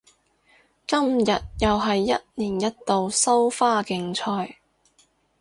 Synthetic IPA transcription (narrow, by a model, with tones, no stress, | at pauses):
kɐ˥mjɐ˨t̚jɐ˨wɦɐ˨jːɐ˥t̚niː˨˩njɐ˥t̚t̪o˨˧wsɐ˥wfaː˥kɪ˧ŋt͡sʰɔː˧j